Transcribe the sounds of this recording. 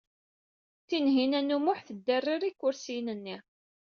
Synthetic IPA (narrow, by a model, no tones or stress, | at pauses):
θinɦinænːumʊħθəd̪ːərːiɾikːʊɾsinənːi